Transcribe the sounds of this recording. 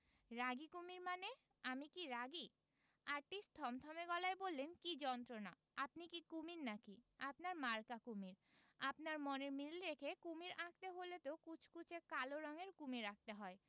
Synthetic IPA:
ɾaɡikumiɾmane | amikiɾaɡi | aɾʈisʈt̪ʰɔmt̪ʰɔmeɡɔlaebolːenkid͡ʑɔnt̪ɾona̰ | apnikikuminnakiapnaɾmaɾkakumiɾ | apnaɾmɔneɾmilɾekʰekumiɾʔak̚t̪eɦolet̪okut͡ɕʰkut͡ɕʰekaloɾɔŋeɾkumiɾak̚t̪eɦɔe

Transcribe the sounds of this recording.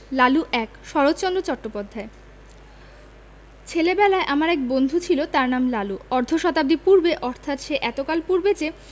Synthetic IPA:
laluʔɛkʃɔɾot̪t͡ɕondot͡ɕɔʈːopad̪ʱːae | t͡ɕʰelebɛlaeʔamaɾɛk̚bond̪ʱut͡ɕʰilot̪aɾnamlaluɔɾd̪ʱoʃɔt̪ab̚d̪ipuɾbeʔɔɾt̪ʰat̪ʃeʔɛt̪okalpuɾbet͡ɕe

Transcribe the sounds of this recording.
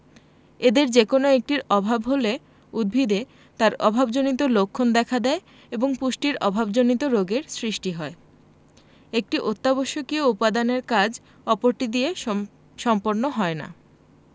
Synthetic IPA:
ed̪eɾd͡ʑekonoek̚ʈiɾɔbʱabɦole | ud̪̚bʱid̪e | t̪aɾɔbʱabd͡ʑonit̪olokʰːond̪ɛkʰad̪ɛe | eboŋpuʃʈiɾɔbʱabd͡ʑonit̪oɾoɡeɾsɾiʃʈiɦɔe | ek̚ʈiʔot̪ːaboʃːokioupad̪aneɾkad͡ʑ | ɔpoɾʈid̪ie | ʃɔmpoɾnoɦɔena̰

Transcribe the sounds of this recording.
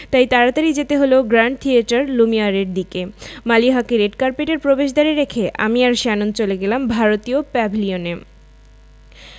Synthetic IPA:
t̪ajt̪aɾat̪aɾid͡ʑet̪eɦoloɡɾaɳɖ̚t̪ʰieʈaɾlumiaɾeɾd̪ikemaliɦakiɾeɖkaɾpeʈeɾpɾobeʃd̪aɾeɾekʰeʔa̰miaɾʃanont͡ɕoleɡelambʱaɾot̪iopɛbʱilione

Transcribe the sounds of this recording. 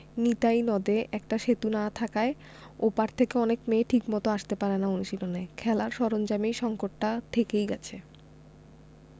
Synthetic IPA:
nit̪ajnɔd̪eʔɛkʈaʃet̪unat̪ʰakae | opaɾt̪ʰekeɔnekmeʈʰikmɔt̪oaʃt̪epaɾenaonuʃilonekʰɛlaɾʃɔɾond͡ʑamiʃɔŋkoʈːaʈ̪ʰekejɡɛt͡ɕʰe

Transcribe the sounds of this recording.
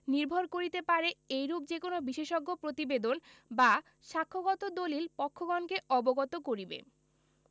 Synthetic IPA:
niɾbʱoɾkoɾit̪epaɾeejɾup̚d͡ʑekonobiʃeʃoɡːopɾot̪ibed̪onba | ʃakʰːoɡɔt̪od̪olilpɔkʰːoɡɔnkeɔboɡɔt̪okoɾibḛ

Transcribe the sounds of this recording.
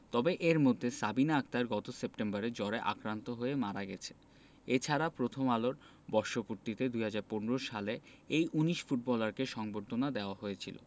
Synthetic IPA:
t̪ɔbeʔeɾmod̪ʱːesabinaak̚t̪aɾɡɔt̪osepʈembaɾed͡ʑɔɾeʔa̰kɾant̪oɦoemaɾaɡɛ̰t͡ɕʰe̥ | et͡ɕʰaɾapɾot̪ʰomaloɾ | bɔɾʃopuɾt̪it̪ed̪uɦad͡ʑaɾponeɾoʃale | ejʔuniʃfuʈ̚bɔlaɾkeʃɔŋboɾt̪ʰonad̪eoaɦoet͡ɕʰḭlo̰

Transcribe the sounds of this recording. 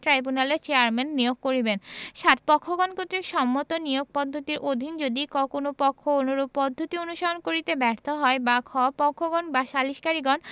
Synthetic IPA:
ʈɾajbunaleɾt͡ɕeaɾmenːijoɡ̚koɾibenʃat̪̚pɔkʰːoɡɔnkot̪ːɾikʃɔmːot̪onijoɡ̚pɔd̪ʱːot̪iɾʔod̪ʱind͡ʑod̪ikɔkonopɔkʰːoonuɾob̚pɔd̪ʱːot̪ionuʃaonkoɾit̪ebɛɾt̪ʰoɦɔebakʰɔapɔkʰːoɡɔnbaʃaliʃkaɾiɡɔn

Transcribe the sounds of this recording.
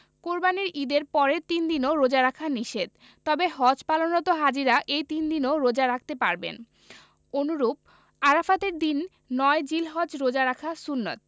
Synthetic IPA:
koɾbaniɾid̪eɾpɔɾet̪ind̪inoɾod͡ʑaɾakʰaniʃed̪̚ | t̪ɔbeɦɔd͡ʑpalonɔt̪oɦad͡ʑiɾaʔejt̪ind̪inoɾod͡ʑaɾakʰt̪epaɾbḛn | onuɾub̚ | aɾafat̪eɾd̪inː | ɔed͡ʑilɦɔd͡ʑɾod͡ʑaɾakʰasunːat̪̚

